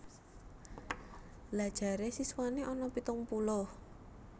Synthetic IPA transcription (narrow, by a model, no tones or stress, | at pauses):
lḁʒ̥a̤ɾesiswaneʔɔnɔpit̪ɔŋpulʊh